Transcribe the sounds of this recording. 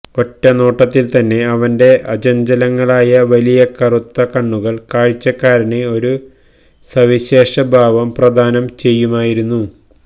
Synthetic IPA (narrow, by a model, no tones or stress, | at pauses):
o̞tːɐnoːʈːɐt̪ːilt̪ɐnːe̞ɐʋɐnde̞ʔɐd͡ʑɐɲd͡ʑɐlɐŋːɐɭaːjɐʋɐlijɐkɐrut̪ːɐkɐɳːuɣɐɭkaːɻit͡ɕːɐkːaːɾɐɳeo̞ɾu | sɐʋiɕe̞ːʂɐbʱaːʋɐmprɐd̪ʱaːnɐmt͡ɕe̞jːumaːjiɾunːu